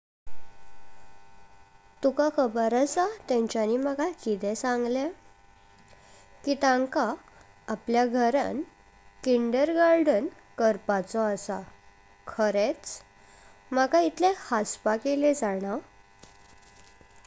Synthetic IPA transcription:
t̪ukakʰəbəɾasat̪ɛ̃ɲt͡ɕaniməɡakit̪ɛsãŋɡle | kit̪ãŋkaː | pljaɡʱəɾa̰n | kiɳɖəɾɡaɾɖən | kəɾpat͡sɔasa | kʰəɾet͡s | məkait̪ʰlehaspakeled͡zaɽ̃a

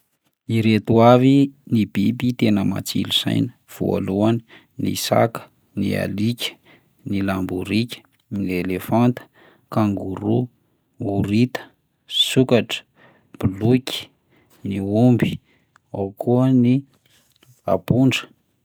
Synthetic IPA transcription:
iɾet̪uavinibibit̪enəma̰t͡sḭliz̥a̰jnə̥ | v̥ṵa̰luanə | nḭsa̰kə̥ | nia̰likʲə̥ | nilambuɾikʲə̥ | nielefant̪ə̥ | kaŋɡuɾu | uɾit̪ə̥ | sukaʈ͡ʂə̥ | b̥ulukʲi̥ | niumbi̥ | awkuəni | a̰buɳɖ͡ʐə̥

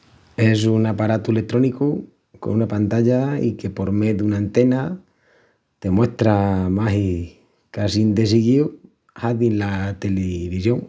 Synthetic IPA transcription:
es̬uŋapaɾat̪uelet̪ɾoniku | ko̰nunapant̪aʎaḭkepo̞ɾmeðunant̪ena | t̪e̞mwe̞ht̪ɾamaɦi | kasind̪esiɣiw | haðinlat̪eleβisjoŋ

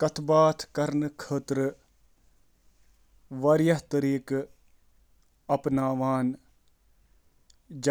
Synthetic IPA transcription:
kɐt̪ʰbaːt̪ʰkɐɾnkʰəːt̪ɾə | ʋɐɾjɐɦt̪ɐɾiːk | ɐpnaːʋaːn | d͡ʒ

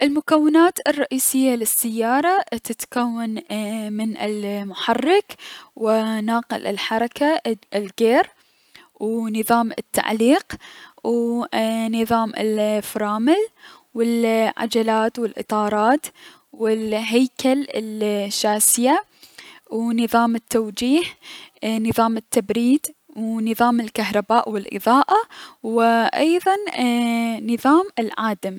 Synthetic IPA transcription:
ʔɪlmʊkawːɪnaːt̪ɪrˤːɑʔiːsɪjːalɪsːajːɑːɾˤɑt̪ɪt̪kawːanmɪnɪlmʊħɑrːɪkwɪnaːqɪ̰lʔɪ̰lħɑɾˤɑkaɪlɡeːɾ | wnɨðˤɑːmɪ̰t̪ːa̰ʕliːqw | nɨðˤɑːmɪ̰lfɾˤɑːmɪl | wɪlʕa̰d͡ʒalaːt̪wɪlʔɨ̰t̪ˤɑːɾˤɑːt̪ | wɪlɦajkalɪ̰lʃːaːsɪja | wnɨðˤɑːmɪt̪ːawd͡ʒiːh | nɨðˤɑːmɪt̪ːabɾiːd̪ | wnɨðˤɑːmɪlkahɾˤɑbaːʔwɪlʔɨ̰ðˤɑːʔawɪʔɑjðˤɑn | nɨðˤɑːmɪlʕaːd̪am

